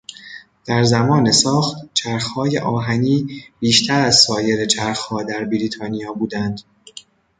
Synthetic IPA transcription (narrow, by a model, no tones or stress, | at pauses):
d̪̥æɾzæmɒːne̞sɒːχt̪t͡ʃʰæɾxhɒːje̞ʔɒːɦæniːb̥iːʃt̪ʰæɾæzsɒːje̞ɾet͡ʃʰæɾxhɒːd̪æɾbiɾiːt̪ʰɒːnijɒːbuːd̪ænd̪